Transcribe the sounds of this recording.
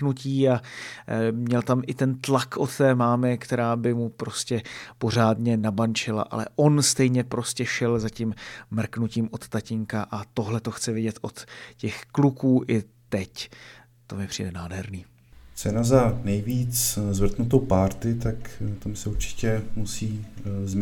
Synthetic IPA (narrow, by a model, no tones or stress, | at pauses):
nuciːa | mɲɛlt̪amʔɪt̪ɛnt̪lakʔo̞t̪t̪ɛːmaːmɪkt̪ɛɾaːbɪmupɾo̞scɛpo̞r̝aːdɲɛnabant͡ʃɪla̰ʔa̰lɛ̰ʔo̞nst̪ɛjɲɛpɾo̞scɛʃɛlzacimmr̩knuciːmʔo̞t̪t̪acɪŋkaʔat̪o̞ɦlɛt̪o̞xt͡sɛvɪɟɛt̪ʔo̞t̪cɛxklukuːʔɪ | t̪ɛc | t̪o̞mɪpr̥ḭːdɛnaːdɦɛɾniː | t͡sɛnazanɛjviːt͡szvr̩t̪nut̪owpaːɾt̪ɪt̪akt̪amsɛuɾt͡ʃɪ̥cɛmusiːzm